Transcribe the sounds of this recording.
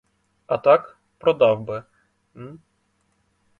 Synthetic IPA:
ɐt̪ɑk | pɾɔd̪ɑwbɪ | n̩

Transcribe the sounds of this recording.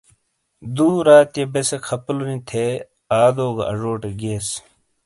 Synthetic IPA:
d̪uːɾaːt̪jebesekʰɐpulunĩt̪ʰeː | aːd̪oːɡa̰ʔɐ̰ʐoːʈeɡeːs

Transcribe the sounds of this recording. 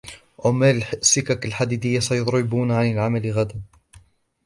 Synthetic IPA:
ʔamalsːɪkakalħad̪iːd̪ɪjːasajʊt̪ˤɾɪbuːnaʕanɪlʕamalɣad̪an

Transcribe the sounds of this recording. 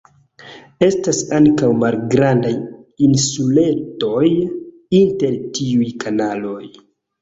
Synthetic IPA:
e̞stasaŋkawmalɡɾandajinsule̞to̞j | inte̞ɾtiujkʰanalo̞j

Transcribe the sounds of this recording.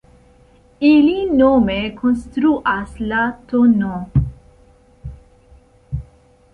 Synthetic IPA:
ilinomekʰonst̪ɾuʔaslat̪ono

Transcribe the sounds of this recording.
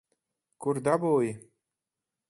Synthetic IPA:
kurd̪ɑboːj

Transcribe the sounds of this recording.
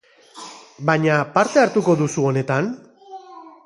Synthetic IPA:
baɲapaɾt̪e̞aɾt̪uko̞ðusuo̞ne̞t̪an

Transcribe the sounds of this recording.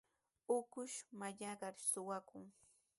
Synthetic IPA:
ʊkʊʃmaʎaɢɑɾsʊwakʊŋ

